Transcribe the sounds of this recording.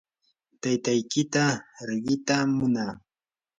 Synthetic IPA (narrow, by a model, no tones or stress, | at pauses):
t̪ajt̪ajkɪt̪aɾɪɢɪt̪amʊnaː